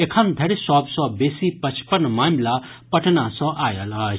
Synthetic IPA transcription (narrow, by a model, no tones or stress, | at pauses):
ekʰənd̪ʱɐɾsɔbsɔ̃besipət͡ʃʰpənmamla | pɐʈnasɔ̃ʔajələ